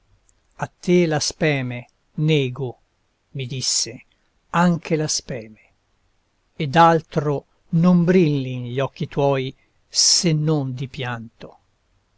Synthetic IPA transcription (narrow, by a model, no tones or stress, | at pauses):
at̪ːelaspɛːme | nɛːɡo | mid̪isːe | aŋkʰelaspɛːme | ed̪alt̪ɾo | nombɾilːinʎɔkːit̪wɔːj | senːond̪ipjant̪o